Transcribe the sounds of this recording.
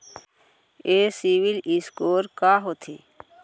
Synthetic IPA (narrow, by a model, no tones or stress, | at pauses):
esiʋiliskoːɾkaːɦot̪ʰḛː